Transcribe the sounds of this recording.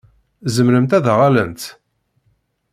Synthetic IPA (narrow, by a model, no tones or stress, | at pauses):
zəmɾəmt̪æðʁalənt̪